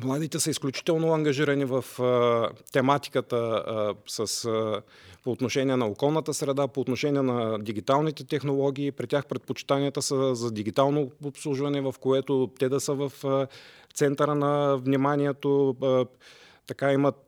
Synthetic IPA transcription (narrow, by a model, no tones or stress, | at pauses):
mlˠad̪it̪ɛsəisklʲut͡ʃi̥t̪ɛlˠnoɐŋɡɐʒiɾɐnivɐf | t̪ɛmat̪i̥kət̪əsəs | poːt̪noʃɛnʲiɛnɐokɔlˠnət̪əsɾɛd̪apoːt̪noʃɛnʲiɛnɐd̪iɡʲit̪alˠnit̪ɛt̪ɛxnolˠɔɡ̟ʲiːpɾit̪ʲjaxpɾɛt̪̚pot͡ʃi̥t̪aniət̪əsəzɐd̪iɡʲit̪alˠnoopslˠuʒvɐnɛvɐfkoɛt̪ot̪ɛd̪ɐsəvɐf | t̪sɛnt̪əɾənɐvnimaniɛt̪o | t̪ɐkaimɐt̪̚